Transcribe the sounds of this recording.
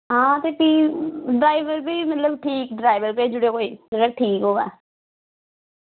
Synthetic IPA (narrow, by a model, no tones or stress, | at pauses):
ɦãːt̪eːpiɖɾaːɪʋəɾpiːmət̪ləbʈʰiːkɖɾaːɪʋəɾpeːd͡ʒʊɽekoːiːsəɾək̚ʈʰiːkɦoːɛː